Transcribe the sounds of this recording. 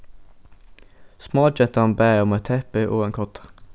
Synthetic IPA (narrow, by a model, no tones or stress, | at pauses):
smɑːd͡ʒɛt̪ɑnbæːɔmɛt̪ʰɛpəʔoːeːŋkʰɔt̪ʰɑ̥